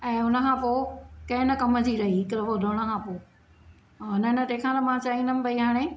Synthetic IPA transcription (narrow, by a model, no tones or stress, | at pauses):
ɛ̃ːʊnə̆kʰãːpoːkɐ̃ɦɪ̃nɐkɐməd͡ʑiɾɐɦiɪkɾʋodʱoːɽ̃ə̆kʰãːpoː | ʊnənɐʈ̪ẽːkʰãːnɐmãːt͡ɕaːĩːnd̪əmɪ̆pɐiɦaːɽ̃ẽ